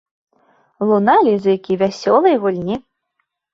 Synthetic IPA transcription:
lˠunalʲizujkʲivʲasʲɔlˠɨjɣulʲnʲi

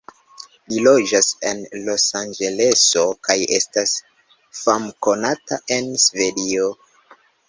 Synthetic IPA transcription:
lilo̞d͡ʒasenlo̞sand͡ʒe̞le̞so̞kaje̞̰stas | famko̞nataʔe̞nsve̞dio

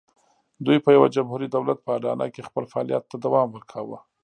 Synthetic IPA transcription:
d̪ujpəjawad͡ʒamhuɾid̪awlat̪̚pəaɖɑ̰na̰kexpəlfaɑlijat̪ːad̪awɑmwəɾkʰawə̰

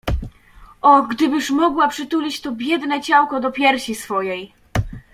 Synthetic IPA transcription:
ʔɔɡd̪ɘbɘʂmɔɡwapʂɘt̪ulʲit͡ɕt̪ɔbʲjɛd̪nɛt͡ɕawkɔd̪ɔpʲjɛɾɕisfɔjɛj

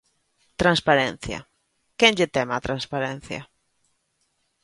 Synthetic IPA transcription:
t̪ɾanspaɾɛn̟θja̰ | kenʎet̪ɛmat̪ɾanspaɾɛn̟θja̰

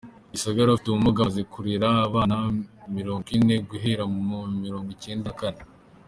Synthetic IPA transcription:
isaɡaɾofi̥tuumuɡazekuɾiɾaːβaːnamiɾo̞ːŋɡine̞ɡuɦeɾamumomiɾo̞ːŋɡice̞ːndakane

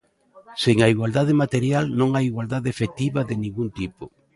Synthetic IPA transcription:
seŋaiɣwald̪að̞emat̪eɾjalnõŋajiɣwald̪aðeefet̪iβaðenĩŋɡunt̪ipo

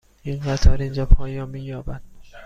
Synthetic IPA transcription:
iŋɢat̪ʰɒːɾind͡ʒɒːpʰɒːjɒːnmiːjɒːbæd̪̥

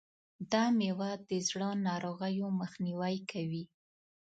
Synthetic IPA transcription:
d̪ɑmewad̪əzɽənɑɾoɣəjoməxniwajkawi

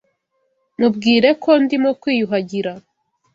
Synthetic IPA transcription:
mubɡiːɾe̞kʰo̞ndimokwiːjuɦaɟiɾa

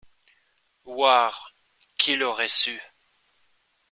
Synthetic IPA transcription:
vwaːʁ | kʲʰilɔʁɛsy

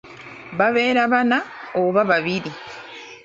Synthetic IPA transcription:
βaβe̞ːɾaβanaoβaβaβiɾi

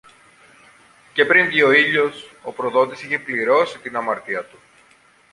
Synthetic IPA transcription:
ce̞pɾinðio̞iʎo̞so̞pɾo̞ðo̞t̪isiçe̞pliɾo̞sit̪inɐmɐɾt̪iɐt̪u

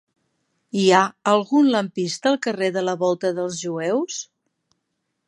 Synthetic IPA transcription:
iaəlˠɣunləmpist̪əːlˠkəreðələβɔlˠt̪əðəlˠzʒuɛws

